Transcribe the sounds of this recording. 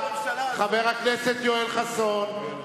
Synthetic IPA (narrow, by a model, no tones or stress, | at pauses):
χaveʁakneset̪joelχason